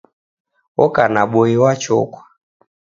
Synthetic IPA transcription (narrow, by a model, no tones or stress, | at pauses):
ɔkanaɓɔiwat͡ʃɔ̰kwḁ